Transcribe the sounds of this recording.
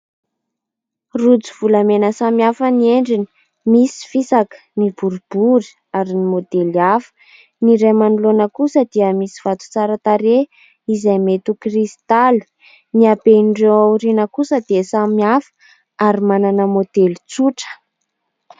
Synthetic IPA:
rud͡ziv̥ulamenəsamiafənieɳɖ͡ʐini̥ | misi̥fisakə̥nibuɾub̥uɾi̥ | aɾinimod̪eliafə̥ | niɾemanulonəkusəd̪iəmisi̥v̥at̪u̥t͡saɾat̪aɾe | izajmet̪ukrist̪ali̥ | niabeɳɖ͡ʐeawɾinəkusəd̪iəsamiafə̥ | aɾimananəmod̪elit͡suʈ͡ʂə̥

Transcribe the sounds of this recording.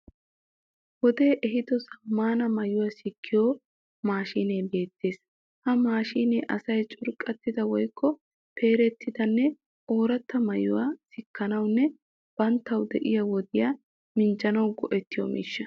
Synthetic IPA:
wɔd̪e̞ːʔɛɦɪd̪ɔsɐmːaːnɐmɐjʊwaːsɪkʰːɪjoː | maːʃiːnejbe̞ːt̪ːe̞ːs | hɐmaːʃiːnḛːʔɐsɐjt͡ʃʼʊɾkʼɐt̪ːɪd̪ɐwɔjkʰːɔ | pʰe̞ːɾɛt̪ːɪd̪ɐnːɛ | oːɾɐt̪ːɐmɐjʊ̰waːsɪkːɐnɐwnːɛ | b̥ɐnt̪ːɐwd̪ɛ̰ʔɪjɐwɔd̪ɪja | mɪnd͡ʒɐnɐwɡɔʔɛt̪ːɪjɔ̰ːmɪ̰ʃːɐ

